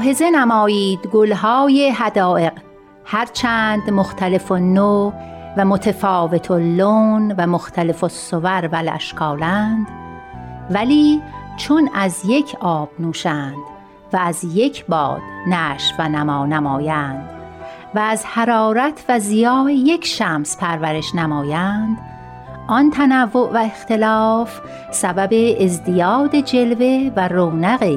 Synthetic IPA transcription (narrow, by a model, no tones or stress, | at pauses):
ɦezenæmɒːjiːd̪ɡolɦɑːjeɦæd̪ɒːʔe̞q | hæɾt͡ʃʰæːnd̪moxt̪ʰæle̞fonːovæmot̪ʰefɒːve̞t̪ʰolːonvæmoxt̪ʰæle̞fosːovæɾvælæ̰ʃkʰɒːlænd̪̥ | væliːt͡ʃʰonæzje̞cʰɒːb̥nuːʃænd̪̥ | væːzje̞cʰbɒ̰ːd̪̥næːʃvænæmɒːnæmɒːjænd̪̥ | væːzhæɾɒːɾæt̪ʰvæzijɒːje̞cʰʃæmspʰæɾvæɾe̞ʃnæmɒːjænd̪̥ | ʔɒnt̪ʰænævːoʔvæext̪e̞lɒːf | sæbæbe̞ːzd̪ijɒːd̪ed͡ʒe̞lve̞væroːnæɣi